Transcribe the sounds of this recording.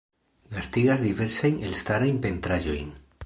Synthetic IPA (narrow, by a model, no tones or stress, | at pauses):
ɡast̪iɣazd̪ive̞ɾsejnelst̪aɾajmpe̞nt̪ɾaʒo̰jn